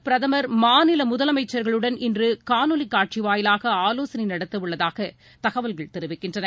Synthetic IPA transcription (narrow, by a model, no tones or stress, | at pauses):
pɪɾɐðɐmɐɾmaːnɪlɐmʊðɐlɐmɐɪt͡ʃːɐɾɣɐɭɯɽɐnɪndrɯkaːnɯlɪkːaːʈ̚t͡ʃiʋaːjɪlaːɣɐaːloːsɐnɪnɐɽɐt̪ːɐʋɯɭːɐðaːɣɐ | t̪ɐɣɐʋɐlɣɐɭt̪ɛɾɯʋɪkːɪndrɐnɐ